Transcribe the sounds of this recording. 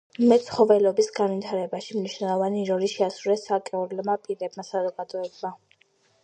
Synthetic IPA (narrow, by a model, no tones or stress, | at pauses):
mɛt̪sχɔvɛlɔbisɡanvit̪ʰaɾɛbaʃimniʃnɛlˠɔvaniɾɔɾiʃɛasɾuɾɛsakʼɛɔɾlɛmapʼiɾɛbmasazɔɡad̪ɔɛbma